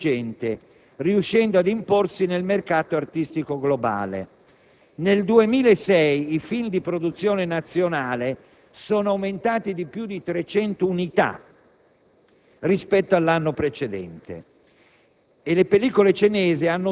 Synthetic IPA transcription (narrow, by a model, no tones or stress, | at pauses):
d͡ʒɛnt̪e | riuʃːɛnd̪oad̪imporsinelmerkaːt̪oart̪ist̪ikoɡloba̰ːlḛ | neld̪uemiːlaesɛjifild̪ipɾod̪ut̪sːjoːnenat̪sːjonaːle | soːnoawment̪aːt̪id̪ipjud̪it̪ɾet͡ʃɛnt̪ounit̪a̰ | rispɛt̪ːoalːanːopɾet͡ʃed̪ɛ̰nt̪ḛ | lepeliːkolet͡ʃenɛːzeanːo